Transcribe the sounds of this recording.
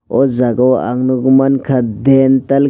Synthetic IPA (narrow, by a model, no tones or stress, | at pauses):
ɔzaɡawa̰ŋnuɡumankʰadental